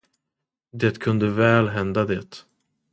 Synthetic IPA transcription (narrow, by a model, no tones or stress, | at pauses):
d̪eːt̪kʰɵnd̪əvɛːlɦɛnd̪ad̪eːt̪